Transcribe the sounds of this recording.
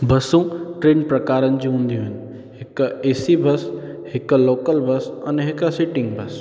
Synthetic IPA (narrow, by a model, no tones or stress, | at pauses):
bɐsũʈɾeːnpɾɐkaːɾənɪ̆d͡ʑĩɦũːn̆d̪ijũɦɪnɪ̆ | ɦɪkeːsibʱɐshɪkloːkəlbʱɐsɐ̰nɦɪkəsiʈɪ̃ŋɡbʱɐs